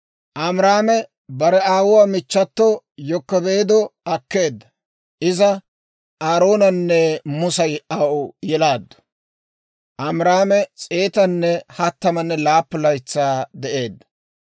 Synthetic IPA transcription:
ʔɐmɾaːmɛ | bɐɾɛaːwʊwaːmɪt͡ʃːɐt̪ːɔ | jɔkːɔbe̞ːd̪ɔɐkːe̞ːd̪ːɐ | ʔɪzɐ | ʔaːɾo̞ːnɐnːɛmʊsɐjɐʔʊjɛlaːd̪ːɔ̥ | ʔɐmɾaːmɛt͡sʼe̞ːt̪ɐnːɛhɐt̪ːɐmɐnːɛlaːpːʊlɐjt͡sːaːd̪ɛʔe̞ːd̪ːɐ̥

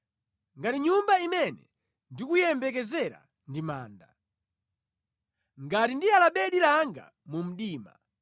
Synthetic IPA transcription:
ŋɡatiɲumbaimɛnɛ̰ | ndikujɛmbɛk̬ɛzɛɾa̰ | ndima̰ːnda | ŋɡatindialaɓɛɗilaŋɡa̰ | mum̩ɗiːma̰

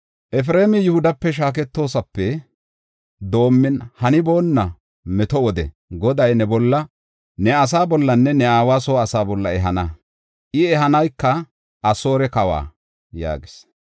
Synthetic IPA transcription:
ʔɛf̬ɾeːmɪjʊhʊd̪ɐpːɛʃ̬aːk̬ɛt̪ːo̞ːsɐpːɛ | d̪o̞ːmːɪnhɐnɪbo̞ːnːɐ | mɛt̪ɔwɔd̪ɛ̰ | ɡɔd̪ɐjnɛbɔlːɐ | nɛɐs̬aːbɔlːɐnːɛnɛaːwaːsoːɐsaːbɔlːɐɛɦɐnɐ | ʔɪɛɦɐnɐjkːɐ | ɐso̞ːɾɛkɐwa̰ː | ja̰ːɡɪs

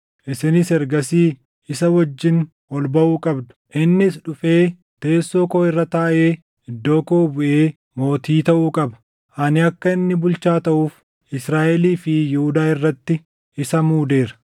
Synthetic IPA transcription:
ʔɪsɪnɪsɛɾɡɐsiː | ɪsɐwɐd͡ʒːɪn | ɔlbɐʔuːkʼɐbd̪ʊ̥ʔɪnːɪsᶑʊfeː | t̪e̞ːsːo̞ːkoːɪrːɐt̪aːʔe̞ː | ɪd̪ːo̞ːkoːbʊʔeː | mo̞ːt̪iːt̪ɐʔuːkʼɐbɐ̥ | ʔɐnɪɐkːɐɪnːɪbʊlt͡ʃaːt̪ɐʔuːf | ɪsɾaːʔɛliːfɪjɪhʊd̪aːɪrːɐt̪ːɪ | ɪsɐmuːd̪e̞ːɾɐ̥

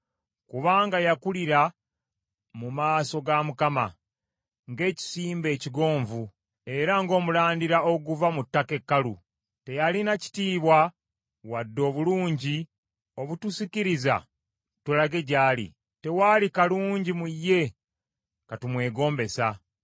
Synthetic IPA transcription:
kuβaːŋɡajakuliɾa | mumaːso̞ɡamukama̰ | ŋɡe̞ːci̥siːmbe̞ːciɡo̞ːɱvu | e̞ɾaŋɡo̞ːmulaːndiɾao̞ɡuvamutːake̞kːalṵ | te̞jalinaci̥tiːβwa | wadːo̞ːβuluːɲɟi | o̞βutusiciɾiza̰ | tulaɡe̞ɟaːlḭ | te̞waːlikaluːɲɟimujːe̞ | katumwe̞ːɡo̞ːmbe̞sa

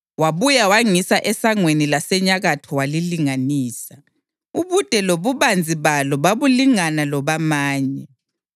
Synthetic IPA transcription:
waβujawaŋisaʔɛsaŋwenilasɛɲaɣatʰɔwaliliŋaniːsa | uβud̥ʼʱɛloβuβand͡zʱiβalɔβaβuliŋanalɔβamaːɲɛ

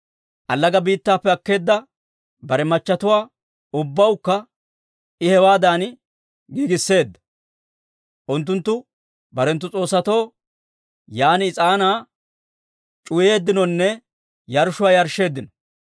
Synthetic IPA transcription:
ʔɐlːɐɡɐbiːt̪ːaːpːɛɐkːe̞ːd̪ːɐ | bɐɾɛmɐt͡ʃːɐt̪ʊwaː | ʊbːɐwkːɐ | ɪhɛwaːd̪aːn | ɡiːɡɪsːe̞ːd̪ːɐ̥ | ʔʊnt̪ːʊnt̪ːʊ | bɐɾɛnt̪ːʊt͡sʼo̞ːsːɐt̪o̞ː | jaːnɪːt͡sʼaːnaː | t͡ʃʼʊje̞ːd̪ːɪnɔnːɛ | jɐɾʃʊwaːjɐɾʃːe̞ːd̪ːɪnɔ

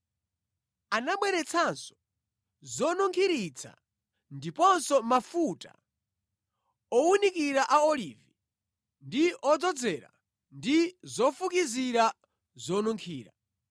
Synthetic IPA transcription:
anaɓwɛɾɛt͡sʰansɔ̥ | zɔnuŋkʰiɾit͡sʰa̰ | ndipɔnsɔmafuta̰ | ɔunikiɾaʔaɔlivi | ndiʔɔd͡zɔd͡zɛɾa̰ | ndizɔfukiziɾa | zɔnuŋkʰiːɾa

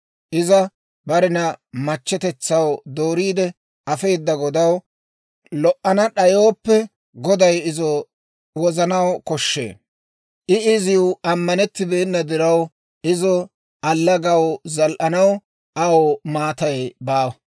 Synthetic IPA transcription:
ʔɪzɐ | bɐɾɪnɐmɐt͡ʃːɛt̪ɛt͡sːɐwd̪oːɾiːd̪ɛ | ʔɐfe̞ːd̪ːɐɡɔd̪ɐw | lɔʔːɐnɐɗɐjo̞ːpːɛ | ɡɔd̪ɐjɪzɔ | wɔzɐnɐwkɔʃːḛː | ʔɪɪzɪʊɐmːɐnɛt̪ːɪbeːnːɐd̪ɪɾɐw | ʔɪzɔ | ɐlːɐɡɐwzɐlʔɐnɐw | ʔɐwomaːt̪ɐjbaːwɐ

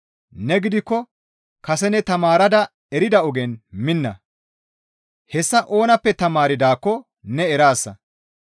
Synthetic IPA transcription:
nɛɡɪd̪ɪkːɔ | kɐsɛnɛt̪ɐmaːɾɐd̪ɐ | ɛɾɪd̪ɐɔɡɛnmɪnːɐ̰ | hɛsːɐʔo̞ːnɐpːɛt̪ɐmaːɾɪd̪aːkːɔ | nɛɛɾaːsːɐ̰

